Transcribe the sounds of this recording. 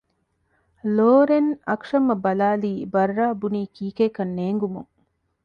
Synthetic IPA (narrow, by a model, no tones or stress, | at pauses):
loːɾenɐkʂɐmɐbɐlaːliːbɐrːaːbuniːkʰiːkeːkɐnːeːŋɡumuŋ